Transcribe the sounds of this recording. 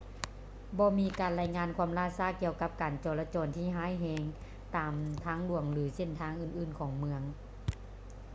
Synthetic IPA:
bɔː˧miː˧˥kaː˨˩nla˧˥˩jŋaː˧˥nkʰuː˧əmlaː˧˩˨saː˧˥˩ki˧əwka˧˥p̚kaː˨˩nt͡ɕɔː˨˩laː˧t͡ɕɔː˨˩nt̪ʰiː˧˩ɦaː˧˥˨jɦɛː˧ŋ | t̪aː˨˩mt̪ʰaː˧˥˨ŋlu˨˩əŋlɯː˩˦se˧˩˨nt̪ʰaː˧˥˨ŋʔɯː˧˩nʔɯː˧˩nkʰɔː˨˩˦ŋmɯ˧əŋ

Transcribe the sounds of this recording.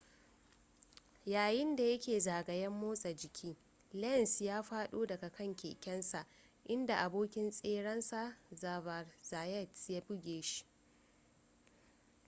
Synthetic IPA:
jaː˨jɪ˦nda˨jɐ˦kʲeː˨zaː˨ɡɐ˨jɐ˦mːoː˦sʼɐ˨d͡ʒɪ˨kʲʰiː˦ | lɛ˦˨nsjaː˦ɸaː˦ɗoː˦dɐ˨ɡa˨kɐ˦˨ŋkʲḛː˨kʲɛ˦nsa˨ʔ | ʔɪ˦nda˨ʔa˨boː˦kʲɪ˦nsʼeː˦ɽɐ˦nsa˨zaː˨vɐ˨rzaː˨jɛ˦˨tsja˦bʊ˦ɡʲeː˨ʃi̥˦

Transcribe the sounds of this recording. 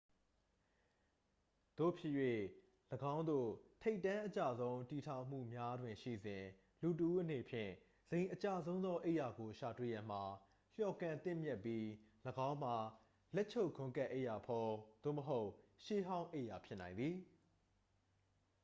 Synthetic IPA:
d̪̥o̰˦˨pʰjɪ˦ʔjwe˦˨ | ləɡã˦ʊ̃nd̪o̰˦˨tʰe˦ɪtːã˦ʔət͡ɕa̰˦˨zõ˦ʊ̃nti˨tʰã˨ʊ̃m̥ṵ˦˨mja˦dwɪ̃˨ʃḭ˦˨zɪ̃˨ | lu˨t̬əʔu˦ʔə˦n̥e˨pʰjɪ̰̃˦˨ | z̥ẽ˨ɪ̃ʔət͡ɕa˨zõ˦ʊ̃nd̪ɔ˦ʔe˦ɪʔja˨ɡo˨ʃa˨twḛ˦˨jã˨m̥a˨ | l̥jɔ˨kã˨nt̪ɪ̃˦˨mjɛ˦pːji˦ləɡã˦ʊ̃m̥a˨ | lɛ˦ʔt͡ɕʰo˦ʊɡʰʊ̃˦ka˦ʔe˦˨ʔja˨pʰɔ˨d̪̥o̰˦˨məɦo˦ʊʔʃe˦ɦã˦ʊ̃ʔe˦˨ʔja˨pʰjɪ˦ʔnã˨ɪ̃nd̪ði˨

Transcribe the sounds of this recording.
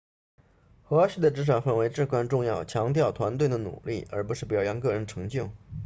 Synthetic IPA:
xɤ˧˥ɕi˥˩d̪ə˩ʈ͡ʂɻ̩˧˥ʂ̬ɑ˨˩fa˥˩nwe˧˥ɪʈ͡ʂɻ̩˥˩kwa˥nʈ͡ʂʊ˥˧ŋjɑ˥˩ʊt͡ɕʰjɑ˧˥ŋt̪jɑ˥˩ʊt̪ʰwa˧˥nt̪we˥˩ɪd̪ə˩nṵ˨˩lḭ˥˩ə̰˞˧˥p̬u˧˥ʂɻ̩˥˩pɑ˨˩ʊjɑ˧˥nŋk̬ɤ˥˩ɻə˧˥nʈ͡ʂʰɤ˧˥ŋt͡ɕjo˥˩ʊ

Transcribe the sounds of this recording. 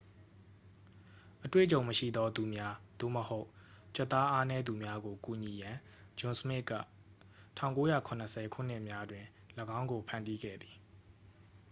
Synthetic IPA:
ʔətwḛ˦˨t͡ɕõ˨ʊ̃məʃḭ˦˨d̪ɔ˦d̪u˨mja˦d̪̥o̰˦˨məho˦ʊʔt͡ɕə˦˨t̪ːa˦ʔa˦nɛ˦d̪u˨mja˦ɡo˨ku˨ɲi˨jã˨ | d͡ʑʊ̃˦nsmɪ˦ʔkä̰˦˨ | tʰã˦˨ʊ̃ŋko˦jä̰˦˨kʰʊ̃˨nəsʰɛ˨kʰṵ˦˨n̥ɪ˦ʔmja˦dwɪ̃˨ | ləɡã˦ʊ̃ŋɡo˨pʰã˨ndi˦ɡɛ̰˦˨d̪i̥˨

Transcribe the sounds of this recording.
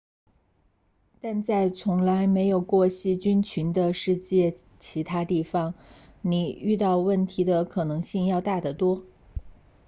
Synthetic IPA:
t̪a˥˧nt͡sa˥˩ɪt͡sʰʊ˧˥ŋla˧˥ɪme˧˥ɪjo˨˩ʊkwɔ˥˧ɕi˥˩t͡ɕy˥nt͡ɕʰy˧˥nd̪ə˧ʂɻ̩˥˧t͡ɕjɛ˥˩ | t͡ɕʰi˧˥t̪ʰa˥t̪i˥˩fɑ˨˩ŋni˨˩y˥˧t̪ɑ˥˧ʊwə˥˩nt̪ʰi˧˥d̪ə˧kʰɤ˨˩nɤ˧˥ŋɕi˥˧ŋjɑ˥˧ʊt̪a˥˩d̪ə˩t̪wɔ˥

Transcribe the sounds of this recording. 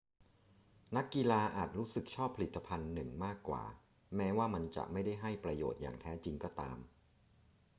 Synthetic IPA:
na˦˥kːi˧laː˧ʔaː˨˩t̪̚ɾuː˦˥sɯ˨˩k̚t͡ɕʰɔː˥˩pʰːa˧li˨˩t̪ːa˧pʰa˧nːɯ˨˩ŋmaː˥˩kːwa̰ː˨˩ | mɛː˦˥waː˥˩ma˧nt͡ɕa̰˨˩ʔma˥˩jda˥˩jɦa˥˩jpɾa˧jo̰ː˨˩t̪̚ja̰ː˨˩ŋt̪ʰɛː˦˥t͡ɕi˧ŋkɔː˥˩t̪a̰ː˧m

